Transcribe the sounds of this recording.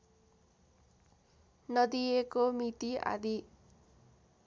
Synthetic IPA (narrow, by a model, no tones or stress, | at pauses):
nʌd̪iekomit̪ia̰d̪i